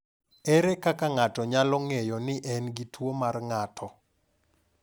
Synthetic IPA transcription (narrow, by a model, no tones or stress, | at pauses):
ɛɾɛkakaŋatɔɲalɔŋejɔnɪʔɛnɡitʰwomarŋatʰɔ